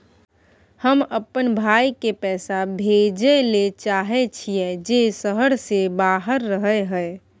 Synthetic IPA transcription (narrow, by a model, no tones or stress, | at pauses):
həməpənbʱaːikepɛːsabʱed͡ʒelet͡ʃaːɦet͡ʃʰijɛd͡ʒesəɦəɽsebaːɦəɾːəɦəeɦəe